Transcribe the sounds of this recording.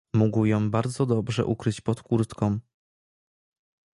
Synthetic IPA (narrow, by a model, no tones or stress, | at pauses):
muɡwjɔ̃w̃baɾd̪zɔd̪ɔbʐɛ̰ʔukɾɘt͡ɕpɔt̪kuɾt̪kɔ̃m